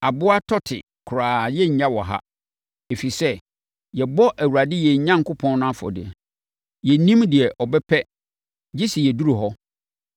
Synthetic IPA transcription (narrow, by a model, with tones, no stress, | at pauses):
a˨bʊ˦a˦tʰɔ˦tʰɪ̰˨ | kʰʊ˨ɾaː˨jɛ˦ɲ̩˨ɲã˦wɔ˨ɦa̰˦ | e˨fi˨sɛ˦ | jɛ˨bɔ˦ʔæ˨wu˨ɾa˨dɪ˦jɛ˨ɲã˦ŋ̩˨kʰʊ˦pʰɔ̃˦n˦nʊ̃˦a˦fɔ̰˨dɪ̰˨ɛ˨ | jɛ˨nĩ˦mdɪ˨ɛ˨ʔɔ˨bɛ˦pʰɛ˦ | d͡ʑɪ˦si˨jɛ˨du˦ɾu˨ɦɔ˦